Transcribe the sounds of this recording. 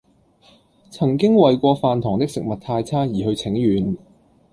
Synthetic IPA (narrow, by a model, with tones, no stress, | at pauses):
t͡sʰɐ˨˩ŋkɪ˥ŋwɐ˨jkʷɔː˧faː˨nt̪ʰɔː˨˩ŋt̪ɪ˥k̚sɪ˨k̚mɐ˨t̚t̪ʰaː˧jt͡sʰaː˥jiː˨˩hɵ˧ɥt͡sʰɪ˨˥ŋjyː˨˩n